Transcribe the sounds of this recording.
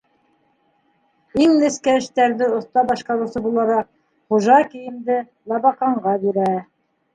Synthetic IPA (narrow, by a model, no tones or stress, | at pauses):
iŋlɘ̆skæɘ̆ʃt̪æɾðɘŏθt̪ɑbɑʃqɑɾɤ̆wsɤbulˠɑɾɑq̚ | χuʒɑkɘ̆jɘ̆md̪ɘ | lˠɑβɑqɑɴɢɑbiɾæ